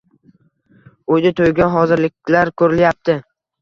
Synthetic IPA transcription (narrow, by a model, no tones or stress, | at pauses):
ojd̪ɪt̪ʰojɡʲanɦɒzɪɾlɪkʲlaɾkʰɵɾɪljap̚t̪ʰɪ